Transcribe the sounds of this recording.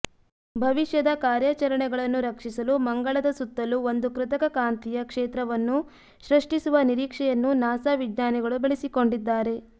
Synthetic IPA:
bʱɐʋiʃjɐd̪ɐkaːɾjɐt͡ʃɐɾɐɳɛɡɐɭɐnːuɾɐkʂisɐlumɐŋɡɐɭɐd̪ɐsut̪ːɐluo̞nd̪ukɾɪt̪ɐkɐkaːnt̪ijɐkʂeːt̪ɾɐʋɐnːu | ʃɾiʂʈisuʋɐniɾiːkʂɛjɐnːunaːsaʋid̪ɲaːniɡɐɭubɐɭisiko̞ɳɖid̪ːaːɾe̞

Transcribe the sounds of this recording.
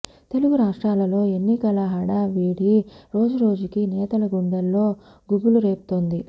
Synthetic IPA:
t̪e̞luɡuɾaːʂʈɾaːlɐlo̞ːe̞nːikɐlɐɦɐɽɐʋiːɽiɾo̞ːd͡ʒuɾo̞ːd͡ʒukinɛːt̪ɐlɐɡuɳɖɐlːo̞ː | ɡuɡuluɾeːpu̥t̪o̞nd̪i

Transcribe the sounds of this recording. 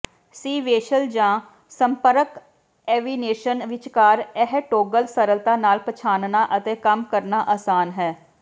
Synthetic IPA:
siːʋeːʃəld͡ʒãː | səmpəɾək | ɛːʋiːneːʃənʋɪt͡ʃkaːɾɛɦʈoːɡəlsəɾəlt̪aːnaːlpət͡ʃʰaːnnaːʔət̪eːkəmkəɾnaːʔaːsaːnɦɛː

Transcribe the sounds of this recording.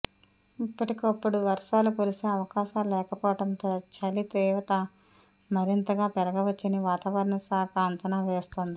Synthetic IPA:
ipːɐʈikɐpːuɽuʋɐɾʂaːlukuɾiseːɐʋɐkaːʃaːllɛːkɐpɔːʋɐʈɐnt̪oːt͡ʃɐlit̪ɛːʋɐt̪ɐ | mɐɾint̪ɐɡaːpɛɾɐɡɐʋɐt͡ʃːiniʋaːt̪aːʋɐɾɐɳɐsaːkɐːnt̪ɐnaːʋeːst̪ond̪i

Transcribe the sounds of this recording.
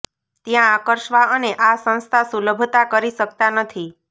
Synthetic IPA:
t̪jãːkəɾʃʋaəneʔasə̃ñst̪ʰasuləbʱt̪akəɾiʃək̚t̪anət̪ʰi

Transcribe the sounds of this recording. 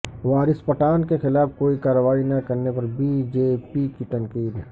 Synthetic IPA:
ʋaːɾɪspɐʈaːnkexɪlaːfkoːikaːɾəʋaːinɐkɐɾnepɐɾbʱid͡ʒeːpikiʈɐ̃ŋkiːd̪

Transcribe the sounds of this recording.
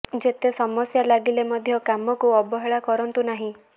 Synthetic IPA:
d͡ʒet̪esɔmɔsjalaɡilemɔd̪ʱjɔkamɔkuɔbɔɦeɭakɔɾɔnt̪unaɦĩ

